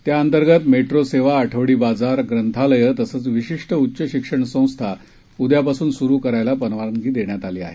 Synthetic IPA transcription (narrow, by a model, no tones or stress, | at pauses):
t̪jaənt̪əɾɡət̪meʈɾoseʋaːʈʰəʋɽiːbad͡zaɾɡɾənt̪ʰaləjət̪əsəːt͡sʋiɕiʂʈəutːɕəɕikʂəɳsə̃w̃st̪ʰa | ud̪japasuːnsuɾuːkəɾajlapənʋaɾəŋɡiːd̪eɳjat̪aliːa̰ɦe